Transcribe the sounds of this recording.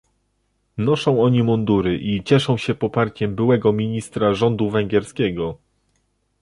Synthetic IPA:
nɔʂɔ̃w̃ɔɲimɔnd̪uɾɘʔit͡ɕɛʂɔ̃w̃ɕɛpɔpaɾt͡ɕɛmbɘwɛɡɔmʲiɲist̪ɾaʐɔnd̪uvɛŋɡʲjɛɾskʲɛɡɔ

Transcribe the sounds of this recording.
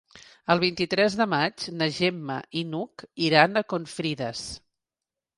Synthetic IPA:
əlˠβ̞int̪it̪ɾɛzðəmad͡ʒnəʒɛmːə̰ʔinukiɾanəkonfɾiðəs

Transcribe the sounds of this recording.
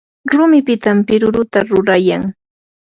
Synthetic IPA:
ɾʊmɪpɪt̪ampɪɾʊɾʊt̪aɾʊɾajaŋ

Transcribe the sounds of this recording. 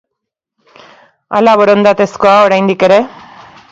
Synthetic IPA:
a̰laβoɾond̪at̪eskoaoɾajnd̪ikeɾe

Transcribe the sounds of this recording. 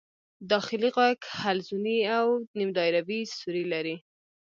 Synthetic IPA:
d̪ɑxɪliɣɑkhalzuniawnimd̪ɑjɾabisuɾilaɾi

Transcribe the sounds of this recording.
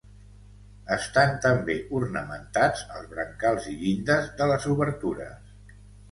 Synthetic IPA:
əst̪ant̪əmbeʔurnəmənt̪ad͡zəlˠzβɾəŋkalˠziʎind̪əzðələzuβəɾt̪uɾə̰s

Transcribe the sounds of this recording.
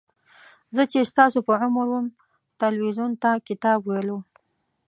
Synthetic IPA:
zət͡ʃest̪ɑsopəʕʊmɾwəm | t̪alwizunt̪akɪt̪ɑbwajlo

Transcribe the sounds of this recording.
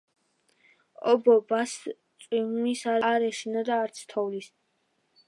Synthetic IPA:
ɔbɔbast̪sʼwimisaɾɾɛʃinad̪aːɾt̪sʰt̪ʰɔvlis

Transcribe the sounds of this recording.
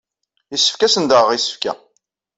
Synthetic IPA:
isə̥fkæsənd̪əʁʁisə̥fkæ̰

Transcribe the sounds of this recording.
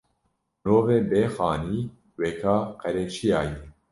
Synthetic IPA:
noːveːbeːxɑːniː | wekʰɑːqɛɾeːt͡ʃʰijɑːje

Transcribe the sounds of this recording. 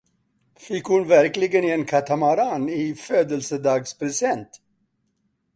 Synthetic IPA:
fɪkhʊnvæɾklɪɡənenkʰat̪ʰamaɾanɪføːd̪əlsəd̪ɑːɡspɾɛsɛnt̪

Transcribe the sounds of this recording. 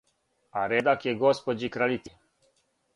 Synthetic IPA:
aɾed̪akjeɡospod͡ʒikɾalit̪i

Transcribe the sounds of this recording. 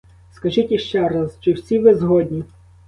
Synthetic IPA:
skɐʒitʲiʃt͡ʃɛɾɐzt͡ʃɔwsʲiʋɪzɦɔd̪ʲnʲi

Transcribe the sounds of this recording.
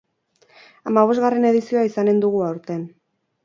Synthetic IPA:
amaβ̞o̞zɣare̞ne̞ð̞isioaisane̞nd̪uɣ̞uawɾt̪e̞n

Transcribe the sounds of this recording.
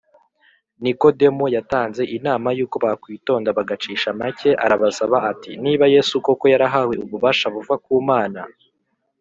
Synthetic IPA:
niko̞de̞mujataːnze̞ʔinaːmajuːko̞βaakwiːto̞ːndaβaɡat͡ʃiːʃamace̞ʔaɾaβasaβaʔatiniːβaje̞suko̞ko̞jaɾaɦawe̞uβuβaːʃaβuvakuːmaːna

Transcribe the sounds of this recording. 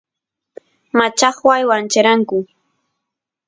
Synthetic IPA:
mat͡ʃɑχwajwant͡ʃaɾaŋkʊ

